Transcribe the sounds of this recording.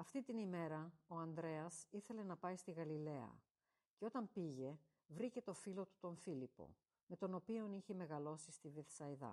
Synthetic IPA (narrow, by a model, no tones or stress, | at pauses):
ɐft̪it̪inime̞ɾɐo̞ɐnd̪ɾe̞ɐsiθe̞le̞nɐpɐist̪iɣɐlile̞ɐ̰ | ce̞o̞t̪ɐmpiʝe̞ | vɾice̞t̪o̞filo̞t̪u̥t̪o̞nfilipo̞̰ | me̞t̪o̞no̞pio̞niçe̞me̞ɣɐlo̞sist̪iveθsɐiðɐ̰